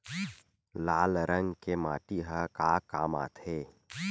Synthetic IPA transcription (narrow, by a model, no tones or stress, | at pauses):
laːlɾə̃ŋɡkemaːʈiɦəkaːkaːma̰ːt̪ʰeː